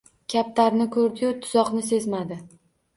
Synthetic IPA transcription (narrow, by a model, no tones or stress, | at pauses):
kʲʰap̚t̪ʰaɾnɪkʰɵɾd̪ɪjʊt̪ʰʊz̥ɒqnɪse̞zmad̪ɪ